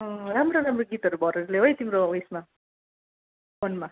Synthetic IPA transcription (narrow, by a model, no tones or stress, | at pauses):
ʌɾamɾoɾamroɡit̪ʌɾubʌɾʌɾuleɦojt̪imɾoesma | ponma